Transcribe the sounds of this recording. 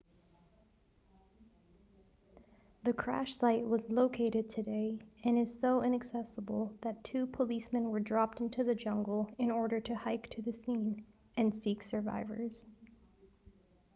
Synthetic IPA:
ðɨkʰɹ̥æ̰ʃsaɪʔ̚wʌzloʊkʰeɪɾɨd̚tʰɨdeɪɨ̃nɨz̥soʊʔɪ̃ñɨksɛsəbl̩ˠðɨtʰʉpʰəlismɨ̃nwə˞dɹɑp̚tɪ̃ntʰʉðɨd͡ʒʌ̃ŋɡl̩ˠɨ̃nɔɹɾə˞ɾɨhaɪktʰɨðɨsĩn | ɨ̃nsiksə˞va̰ɪvə̰˞z̥

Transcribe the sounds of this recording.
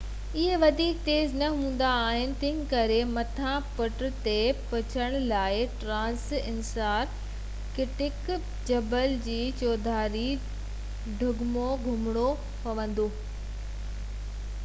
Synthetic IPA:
ɪɦeʋɐd̪ʱiːk̚t̪eːznɐɦũːn̆d̪aːɦɪnɪ̆t̪ɪ̃ɦɪ̃kɐɾemɐt̪ʰãpʊʈt̪epɐt͡ɕʰəɽ̃laːɪʈɾãːnsɪnsaːɾ | kɪʈɪk | d͡ʑɐbəld͡ʑiːt͡ɕoːd̪ʱaːɾi | ɖʱʊɡmoɡʱʊmɪɽ̃o | pɐʋə̃nd̪oː

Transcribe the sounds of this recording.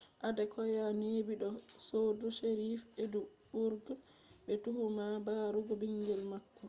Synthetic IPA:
ʔadɛkɔjanebiɗɔsoduʃeɾifɛduɓuɾɡ | ɓɛtuhumabaɾuɡɔbiŋɡɛlmakːɔ

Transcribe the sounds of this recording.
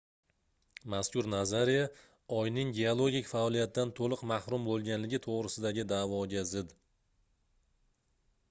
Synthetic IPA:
maskʰʲʊɾnazaɾija | ɒjnɪŋɡʲeolˠoɡʲikʲfaɒlˠijat̪ːant̪ʰolˠɨqmahɾʊmbolˠɡʲanlɪɡʲɪt̪ʰoʁɾɪsɪd̪aɡʲɪd̪avɒɡʲazɪd̪

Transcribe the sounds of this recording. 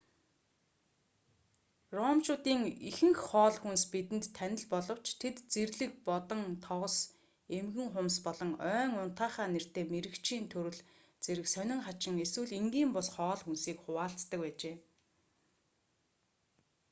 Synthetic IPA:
rɔːmt͡ɕʊːt̪iːŋixɘ̆ŋxχɔːɮxunspit̪ɘ̆nt̪t̪ʰːænʲɪ̆ɮpɔɮɞ̆w̥t͡ɕʰt̪ʰet̪t͡serɮɘ̆k̚pɔt̪ɞ̆ŋt̪ʰɔʁɞ̆s | emɣɘ̆ŋχʊmspɔɮɞ̆ŋœːŋʊn̥t̪aːχaːner̥t̪eːmeɾɘ̆kt͡ɕʰiːnt̪ʰɵɾɘ̆ɮ | t͡seɾɘ̆ksœnʲɪ̆ŋχat͡ɕɪ̆ŋeswɘ̆ɮiŋɡiːmpɔsχɔːɮxunsiːkχʊwaːɬt͡st̪ə̆k̚pæːt͡ɕeː

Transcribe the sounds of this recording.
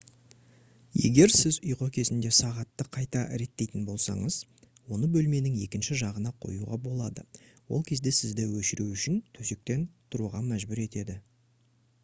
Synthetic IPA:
je̞̰ɡʲe̞ɾsɪzʊjqokʲʰe̞zɪnd̪e̞sɑʁɑt̪ːəqʰɑjt̪ɑɾe̞t̪ːe̞jt̪ɪnbo̞lˠsɑ̰ɴəz̥ | wo̞nəbɵlme̞nɪŋje̞kʲɪnʃɪʒɑʁənɑqʰo̞̰jṵʁɑ̰bo̞lˠɑd̪ə̰ | wo̞̰lˠkʲʰe̞zd̪e̞sɪzd̪ɪwɵʃɪɾuʏʃɪnt̪ʰɵse̞k̚t̪e̞nt̪ʰʊɾuʁɑmæʒbʏɾe̞t̪e̞d̪ɪ

